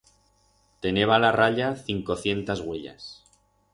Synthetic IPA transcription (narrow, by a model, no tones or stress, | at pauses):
t̪e̞ne̞βalaraʎaθiŋko̞θje̞nt̪azɣweʎa̰s